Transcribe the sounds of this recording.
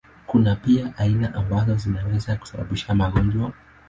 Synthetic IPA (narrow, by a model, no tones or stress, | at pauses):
kunapiaʔainaʔambazɔzinawɛzaku̥saɓa̰ɓiʃamaɠɔɲd͡ʒwa